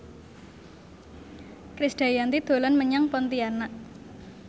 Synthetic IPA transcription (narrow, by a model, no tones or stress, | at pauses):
kɾisɖ̥a̤jant̪id̪̥o̤lanməɲaŋpɔnt̪ianaʔ